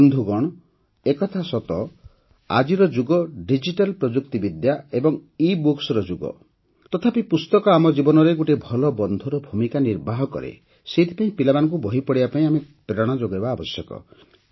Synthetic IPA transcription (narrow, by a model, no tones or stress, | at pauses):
nd̪ʱuɡɔɽ̃ɔ | ekɔt̪ʰasɔt̪ɔ | a̰d͡ʒiɾɔd͡ʒuɡɔɖid͡ʒiʈalpɾɔd͡ʒuk̚t̪ibid̪jaebɔŋibuksɔɾɔd͡ʒuɡɔ̰ | t̪ɔt̪ʰapipust̪ɔkɔamɔd͡ʒibɔnɔɾeɡuʈebʱɔlɔbɔnd̪ʱuɾɔbʱumikaniɾbaɦɔkɔ̰ɾḛ | seɦit̪ʰi̥paĩpilabanɔŋk̬ubɔɦipɔɽibapaĩamepɾeɔɽ̃ad͡ʒoɡaebaːbɔsjɔkɔ̰